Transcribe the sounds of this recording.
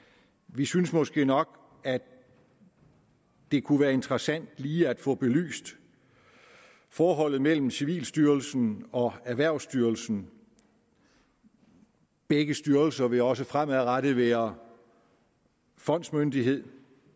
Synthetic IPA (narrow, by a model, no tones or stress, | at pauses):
ʋisynsmɒ̽sɡ̥e̝̰ːnɒ̽ɡ̥ | æ | d̥e̝kʰuʋæːɐe̝nt͡sʰʁɐsæn̰d̥liːæd̥fɔ̰̽ːb̥e̝ly̰ːsd̥ | fɒːɦɒ̽l̰ð̩ˠmel̰m̩siʋḭːlsd̥yɐlsn̩ɒ̽æʋæɐ̰ʊsd̥yɐlsn̩ | b̥eɡ̥əsd̥yɐlsɐʋe̝ɒ̽səfʁam̰æðˠʁaɾ̥əðˠʋæɐ | fɒ̽n̰d̥smønd̥iɦe̝ð̰ˠ